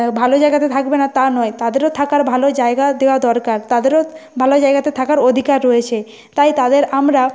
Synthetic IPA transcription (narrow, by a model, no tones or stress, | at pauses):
bʱalod͡ʑaeɡat̪et̪ʰakbenat̪anɔet̪ad̪eɾot̪ʰakaɾbʱalod͡ʑaeɡad̪eoad̪ɔɾkaɾt̪ad̪eɾobʱalod͡ʑaeɡat̪et̪ʰakaɾod̪ʱikaɾːɔet͡ɕʰe | t̪ajt̪ad̪eɾamɾa